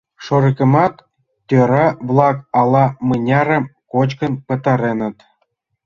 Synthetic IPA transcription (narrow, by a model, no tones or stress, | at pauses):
ʃoɾikə̆mɑt̪ːʲ | øɾɑβlˠɑkɑlˠɑmɤnʲɑɾə̆mkot͡ɕkə̆npə̆t̪ə̆ɾenə̆t̪